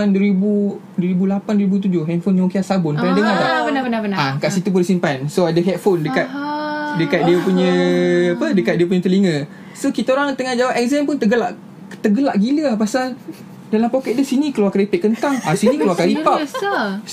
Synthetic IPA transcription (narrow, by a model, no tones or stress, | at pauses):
andwəɾibu | dwəɾibulapandwəɾibut̪̬ud͡ʒʊɦɛt̪̚fonjŋkiasabʊnknadəŋalaakaʔsit̪up̬undəsinpansoadəɦɛt̪̚fondəkat̪̚dəkat̪̚diəpuɲə̃apədəkat̪̚diəpuɲət̪əliŋə | sokit̪aoɾaŋt̪əŋahd͡ʒawap̚ʔɛk̚zɛmpʊnt̪əɡəla̰ʔ | t̪əɡəla̰ʔɡiləapasal | dalampokɛʔ̪̚dəsinikəluakaɾipɛʔ̚kənt̪aŋasinikəluakaɾipa